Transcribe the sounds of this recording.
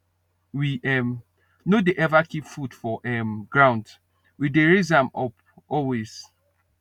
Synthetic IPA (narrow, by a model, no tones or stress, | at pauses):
wiʔɛm | nodeʔɛvakipfudfɔʔɛmɡɹãʊ̃nd | wideɹizãmɔp | ɔlwez̥